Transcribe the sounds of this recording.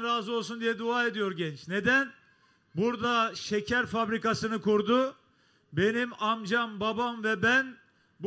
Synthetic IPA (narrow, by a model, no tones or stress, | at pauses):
ɾaːzɯo̞lˠsund̪ijɛd̪uaːe̞d̪ijo̞ɾɟɛnt͡ʃne̞d̪æn | buɾd̪aʃecʰæɾfabɾikasɯnɯkuɾd̪u | be̞nimamd͡ʒambabamvɛbæn | b